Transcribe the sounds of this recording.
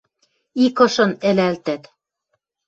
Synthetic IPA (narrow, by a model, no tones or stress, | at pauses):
ikɤ̆ʃɤ̆nɘ̆lælt̪æt̪